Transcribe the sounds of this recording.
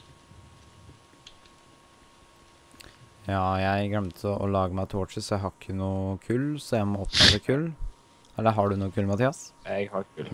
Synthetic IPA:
jɑːjæɪɡɾœmt̪ʰɔʔɔ̰lɑːɡəmæɪt̪ʰuːoːʂɪsɔjæɦɑkʰːənuːkʰʉːlsɔjæmɔt̪ːɑd̪əkʰʉːl | ɛlːəɦɑɖʉnuːəkʰʉːlmɑt̪ʰiːɑsɛɡhɑkʰʉːl

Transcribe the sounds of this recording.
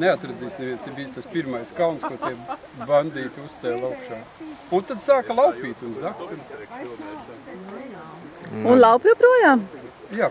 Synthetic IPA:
neat̪ɾad̪iːsnevʲiɛnsibiːst̪aspiɾmajskawnskuɔt̪iɛ | band̪iːt̪ʲust̪sɛlˠaʊkʃaː | unt̪ad̪saːklˠawpʲiːt̪ʲunzakt̪un | unlˠawpjupɾuɔjaːm | jaː

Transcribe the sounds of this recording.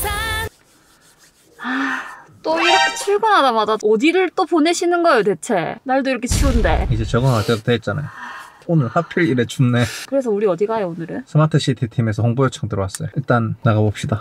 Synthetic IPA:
a | at͈oiɾʌkʰet͡ɕʰiɭɡunɦadamadaʌdiɾɯɭt͈opone̞ɕʰinɯnɡʌejot̬e̞t͡ɕʰe̞naɭdoiɾʌkʰet͡ɕʰiunde̞̰id͡ʑe̞t͡ɕʌɡɯŋat͈edoteːt̚t͡ɕ͈ana̰jo | onɯɭhapʰiɭiɾet͡ɕunnekɯɾe̞s̬ʰʌuɾiʌdiɡajoonɯɾɯsʰɯmatʰɯɕ͈ʰitʰetʰime̞sʰʌhoŋbojʌt͡ɕʰʌŋdɯɾowas͈ʌjoiɭt͈anːaɡabop̚ɕ͈ida

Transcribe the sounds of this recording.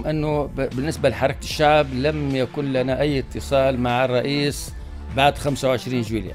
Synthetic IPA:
mʔɪnːʊbɪnːɪsbalɪħɑɾˤɑkaʃːaʕblamjakuːnlanaʔajːɪt̪ːɨsˤɑːlmaʕɑrˤːɑʔiːs | baʕd̪xamsawʕɪʃɾiːnʒwiːlja̰

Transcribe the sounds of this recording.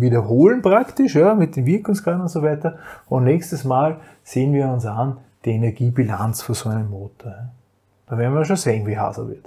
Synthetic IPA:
viːdɐɦoːlənpʁ̥aktɪʃjamɪt̚d̥eːnviɐkl̩ŋskaːnʊntsovæɪtɐʊ̃ntnɛkstəsmaːl | seːənviːɐʊnsan | d̥iːɐenɛɐɡiːbilant͡sfyːɐsoæɪnəmːoːtoɐja | d̥avɛːɐnviɐʃ̬oseːnviːɦa̰ːzɐ̰vɪ̰ɐt

